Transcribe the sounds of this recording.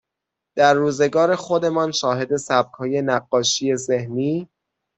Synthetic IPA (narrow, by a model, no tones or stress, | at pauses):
d̪̥æɾːuːze̞ɡɒːɾe̞xo̞d̪e̞mɒːnʃɒːɦe̞d̪e̞sæb̚kʰhɒːje̞næɢːɒːʃije̞zehniː